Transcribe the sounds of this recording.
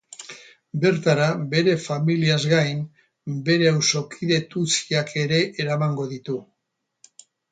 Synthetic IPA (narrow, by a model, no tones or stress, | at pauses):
be̞ɾt̪aɾaβe̞ɾe̞familiazɣajn | be̞ɾe̞awso̞kʰiðe̞t̪ut͡siakʰe̞ɾe̞ʔːɾamaŋɡo̞ðit̪u